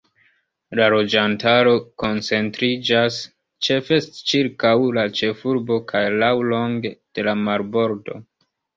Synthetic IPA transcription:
lalo̞d͡ʒantaɾo̞ko̞nt͡se̞ntɾid͡ʒas | t͡ʃe̞fe̞stt͡ʃiɾkawlat͡ʃe̞fuɾbo̞kʰajlawlo̞ŋɡed̥e̞lamaɾbo̞ɾdo̞̰

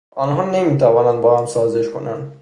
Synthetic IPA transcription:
ʔɒːnɦɒːnemiːt̪ʰævɒːnænd̪bɒːhæmsɒːzeʃkʰo̰næ̰nd̪

